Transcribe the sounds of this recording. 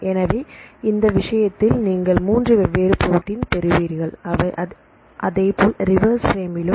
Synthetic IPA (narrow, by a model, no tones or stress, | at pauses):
ɛnɐʋeːɪnd̪ɐʋɪʂɐjɐt̪ːɪlniːŋɡɐɭmuːndrɯɛʋːeːɾɯpːɔɾɯʈːɪnt̪ɛɾɯʋiːɾɣɐɭɐɐ | ʔɐðɐɪpoːlɾɪʋɐɾsfɾeːmɪlɯ